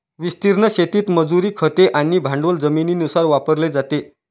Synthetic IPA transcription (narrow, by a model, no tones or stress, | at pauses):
ʋist̪iɾɳəɕet̪iːt̪məd͡zuɾiːkʰət̪eʔaniːbʱãɳɖʋəld͡zəminiːnusaɾʋapəɾled͡zat̪e